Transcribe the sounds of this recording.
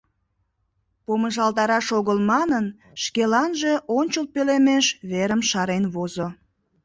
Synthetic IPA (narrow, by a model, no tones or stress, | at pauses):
poməʒɑlt̪ɑɾɑʃoɣəlmɑnən | ʃkelɑnʒe̽ʔonʲt͡ɕəl̚pelemeʃβeɾəmʃɑɾenβozo